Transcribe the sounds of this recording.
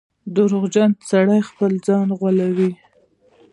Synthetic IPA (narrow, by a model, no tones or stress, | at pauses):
d̪ʊɾʊɣd͡ʒant̪saɽajxpəld͡zɑnɣwalawi